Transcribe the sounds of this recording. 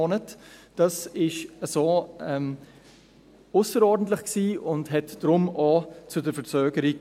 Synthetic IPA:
onətd̥ɑsɪʃəsoːɛm | ʊsəɾɔɾdn̩t̬lɪχksiːʊndɦɛtd̥ɾʊmot͡sʊdəfət͡søːɡəɾi

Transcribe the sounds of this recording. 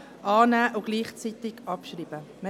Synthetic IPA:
ʔɑːnæːʔʊɡ̥liːχt͡sit̪ɪɡ̥ɑpʃriːb̥ə | mɛ

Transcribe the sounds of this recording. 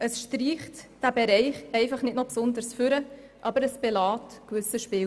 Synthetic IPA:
ʔəsʃtɾiːχtd̥æbɛɾɛɪχɛɪfɑχnɪtnɔpsʊndəɾsfʏɾə | ʔɑbəɾəsb̥ɛlɑːtkvʏsəʃpɪː

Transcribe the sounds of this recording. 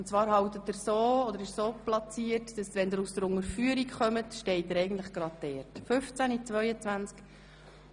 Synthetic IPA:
ʊnt͡svɑːɾhɑwt̪ətːəɾsoːɔd̪əɾɪʃsoːplɑt͡siːəɾtd̥ɑsʋɛnd̪əɾusd̥əɾʊŋəɾfyəɾikχœmətʃtɛɪt̚dəɾɛjɡn̩tləχɡ̥ɾɑd̚dɛːɾtfɵft͡sænit͡svœʏət͡svænt͡sk

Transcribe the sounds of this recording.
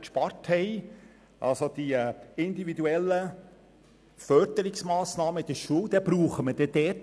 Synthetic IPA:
kʃpɑɾthɛɪ | ʔɑ̰lsod̪̥iɪnd̪ivid̪uɛlːə | fœɾd̪əɾɪksmɑːsnɑːməid̥̪əʃuəwd̪ɛbɾuːχəməd̥ɛd̥̪ɛːt

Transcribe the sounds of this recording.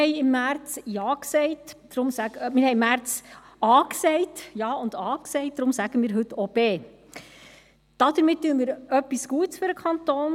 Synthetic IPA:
ɛɪɪmːæɾt͡sjɑːksɛɪtd̥ɾʊmsæmɪːɾhɛɪmæɾt͡sɑːksɛɪtjɑːʊnd̥̪ɑːksɛɪt̚d̥̪ɾʊmsæɡ̥əmiːɾɦɵtːɔb̥eː | d̥ɑd̥̪əɾmɪt̚tːyːənmiːɾœpːisɡ̥uətsfʏɾəkʰɑnt̪oːn

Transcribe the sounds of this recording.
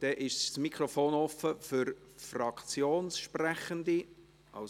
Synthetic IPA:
d̥ɛʔɪʃssmikʰrɔfoːnɔfəfʏɾfrɑkt͡sjoːnsʃprɛχəndi | ʔɑ̰l

